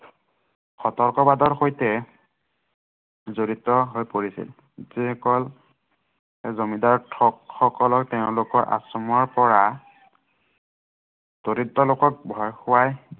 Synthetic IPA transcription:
xɔtɔɹkɔbadɔɹxojtɛ | zoɹitɔɦojpoɹisḭl | zikɔl | ezomidaɹtʰɔkxɔkɔlɔk̚teʊ̃lʊkɔɹʔa̰sɔmuaɹpɔɹa | toɹitːɔlokɔk̚bʱɔjxʊwaj

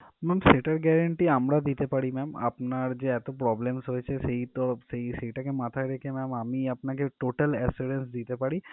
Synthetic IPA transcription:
mɛmseʈaɾɡɛɾəɳʈiəmɾad̪it̪epaɽimɛmɐ̰pnaɾd͡ʒeɛt̪opɾɔblemsɦoet͡ʃʰeseɦit̪oseɦiseʈakemat̪ʰaeɾekʰemɛmamiɐpnakeʈoʈəlɛseɾensd̪it̪epaɽi

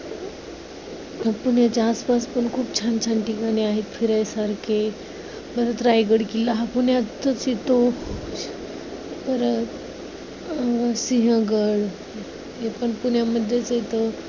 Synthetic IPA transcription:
əpuɳjat͡ɕaːspaspəɳkʰuːpt͡ɕʰant͡ɕʰanʈikaneaɦet̪fiɾajsaɾkʰe | bəɾət̪ɾajɡəɽkilaɦapunjat͡s̪ət͡sit̪o | bəɾət̪ | siɦə̃ɡəɽ | jepəɳpuɳjaməd̪ʱːjet͡səit̪ə

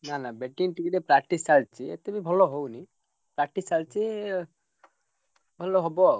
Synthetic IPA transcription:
nanabeʈinʈikiɾepɾak̚ʈisalt͡ʃʰiḛt̪ebibʱɔlɔɦowni | pɾak̚ʈisalt͡ʃi | bʱɔlɔɦɔbɔ

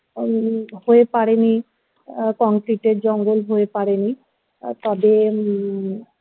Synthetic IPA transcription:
hoepaɹeni | kɔŋkɹiʈed͡ʒɔŋɡolɦoepaɹeni | t̪ɔbe

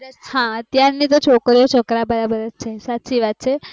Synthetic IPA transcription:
əɦãət̪jaɾnit̪̬ot͡ʃʰokɾjot͡ʃʰɔkɾabəɾabəɾət͡ʃʰesatːʃʰiʋat̪̚t͡ʃʰe

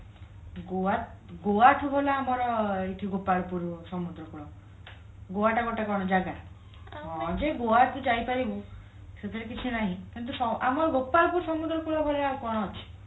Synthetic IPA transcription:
ɡoa | ɡoat̪ʰubʱolaːmɔɾɔeʈʰiɡopaɭpuɾɔsɔmud̪ɾɔpuɭɔ | ɡoaʈaɡɔʈakɔɽ̃ɔd͡ʒaɡa | ɔd͡ʒeɡoat̪ʰud͡ʒajpaɾibɔ | set̪ɔɾekit͡ʃʰinaɦĩkint̪̬usɔamɔɾɔɡopːaɭpuɾsɔmud̪ɾɔpuɭɔbʱɔleakɔɽ̃ɔːt͡ʃʰi̥

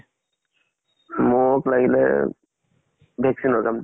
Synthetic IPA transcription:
moklaɡilɛ̰ | bʱɛksinɔɹkam

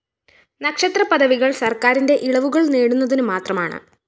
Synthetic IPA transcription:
nɐkʂɐt̪rɐpɐðɐʋiɣɐɭsɐrkaːɾinde̞ʔiɭɐʋuɣɐɭneːɽunːɐðinɨmaːt̪rɐmaːɳɨ̰

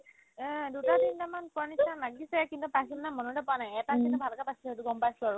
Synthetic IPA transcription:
dutadintamankɔɹnitʰːanlaɡisɛkintupasimnamɔnudɛpɔanajɛtakintubʱalkapatʰiɔtuɡɔmpajsaɹu

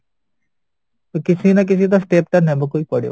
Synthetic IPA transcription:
t̪okɪsʰinɐk̬ɪs̬it̪̬osʈeːp̚ʈ̪ɐnɦɛ̃bʱokoːipɐɽjo̰

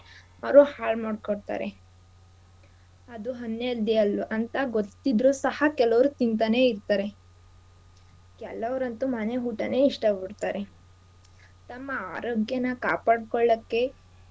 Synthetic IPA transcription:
ɐɾuhaːɭmaːɖkoɽt̪a̰ːɾe | ɐd̪uɦɐnːed̪iɐlʔɐnt̪ɐɡot̪ːid̪ɾusɐhɐkɛlɐʋɐɾut̪int̪ɐne̞ːiɾt̪aːɾe̞ | kɛlɐʋɾɐnt̪umɐneɦuːʈɐneiʂʈɐbuɽt̪aːɾe | t̪ɐmːɐaːɾoːɡjɐnɐkaːpaːɽkɔɭːɐkːe̞

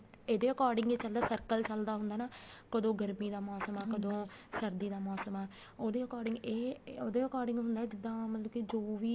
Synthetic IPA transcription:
eːd̪eːəkɔːɾɖɪŋɡeːt͡ʃəld̪aːsəɾkəlt͡ʃəld̪aːɦʊnd̪aːnaːkəd̪õːɡəɾmiːd̪aːmɔːsəmaːkəd̪õː | səɾd̪iːd̪aːmɔːsəmaː | oːd̪eːəkɔːɾɖɪŋɡeːoːd̪eːəkɔːɾɖɪŋɡɦʊ̃nd̪aːd͡ʒɪd̪ːãːmət̪ləbkid͡ʒoːʋiː

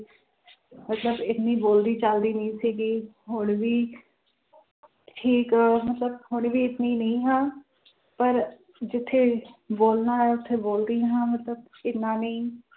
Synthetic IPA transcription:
mət̪ləbɪt̪nĩːboːld̪iːt͡ʃəld̪iːnəĩːsiːɡiː | ɦʊɳʋiː | ʈʰiːkmət̪ləb̚hʊɳʋiːɪt̪niːnəĩːɦãː | pəɾ | d͡ʒɪt̪ʰːeːboːlnaːɛʊt̪ʰːeːboːld̪ĩːɦãːmət̪ləb̚kɪnːãːnĩː

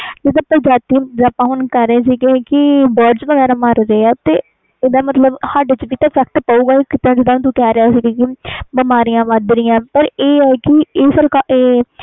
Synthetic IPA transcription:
d͡ʒɪd̪ãːpəd͡ʒaːt̪iːd͡ʒaːpãːɦʊnkəɾːeːs̬iːkẽkɪbaːɖsʋəɡɛːɾaːmaɾɾeːaːt̪eː | ɪd̪aːmət̪ləbhaːɖt͡ʃəʋiːt̪ãːfɛk̚ʈ̪paːuːɡaːikɪt̪ãːd͡ʒɪd̪ãt̪ũːkɛːɾeaːsiːkekɪbɪmaːɾijãːʋad̪ɾɪjãːpəɾeːɛːkɪeːsəɾkaeː

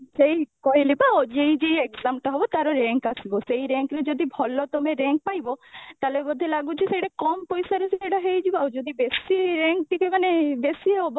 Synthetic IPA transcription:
d͡ʒeikɔɦilibaod͡ʒeid͡ʒeekzamʈɔɦɔbɔt̪aɾɔɾeŋkasibɔsejɾeŋkɾed͡ʒɔd̪ibʱɔlɔt̪ɔmeɾeŋk̚pajbɔt̪alebɔd̪ʱelaɡut͡ʃʰisejɽakɔmpɔjsaɾesieɽaɦejd͡ʒibaod͡ʒɔd̪ibesiɾeŋk̚ʈikemanebesiɦɔbɔ

